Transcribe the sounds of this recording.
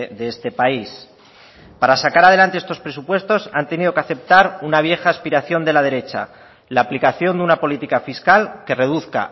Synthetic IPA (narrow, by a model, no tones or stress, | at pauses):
ðeest̪e̞pais | paɾasakaɾaðelant̪e̞est̪o̞spɾe̞supwe̞st̪o̞sa̰nt̪e̞niðo̞keaθe̞p̚t̪aɾunaβ̞je̞xaːspiɾaθjo̞nd̪e̞lað̞e̞ɾe̞t͡ʃa̰ | laːplikaθjo̞nd̪eunapo̞lit̪ikafiskalke̞re̞ðuθka̰